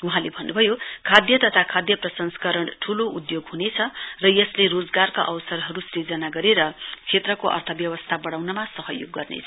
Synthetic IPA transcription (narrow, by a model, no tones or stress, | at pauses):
uɦãlebʱʌnːubʱʌjokʰad̪jʌt̪ʌt̪ʰakʰad̪jʌprʌsʌnskʌɾʌɳʈʰuloʔud̪joɡɦunet͡sʰʌrʌjʌslerod͡zɡarka̰ʔʌwsʌrɦʌɾusrid͡zʌnaɡʌɾeɾʌkʰet̪rʌkoʔʌ̰rt̪ʰʌbjʌwʌst̪ʰabʌɽawnʌmasʌɦʌjo̰ɡːʌ̰rnḛt͡sʰʌ